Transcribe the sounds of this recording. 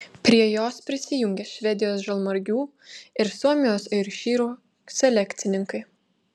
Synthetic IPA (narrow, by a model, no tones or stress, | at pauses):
pʲɾʲiɛjoːspʲɾʲɪsʲɪjʊŋʲɡʲɛʃʲʋʲɛd̪ʲɪjoːsʒɐlˠmɐɾʲɡʲuː | ɪɾsuɔmʲɪjoːsɐɪɾʃʲiːɾuː | sʲɛlʲɛkʲt̪sʲɪnʲɪŋkɐɪ